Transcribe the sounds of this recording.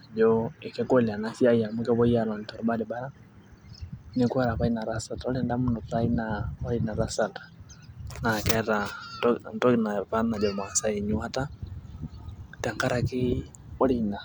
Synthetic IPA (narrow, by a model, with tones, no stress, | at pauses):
d͡ʒɔe˨kɛ˦ko˦lia˨nafja˦ia˨mu˦kɛ˦βɔ˦ja˨lɔ˨ntɔ˨ɾɔ˨ba˦dɛ˨ba˦ɾa˦ | nekwɛ˦ɾapai˦na˨ɾasa˨taɔ˦lɛnda˦mu˦ndɔ˨painaɔ˦lina˨ɾasa˨tḁ | na˨kɛɾa | ntɔ˦napana˨d͡ʒɔ˨mwa˨sae˨ɲu˦a˦ta˦ | ta˨ŋka˦ɾaki˦ | ɔ˦lina˨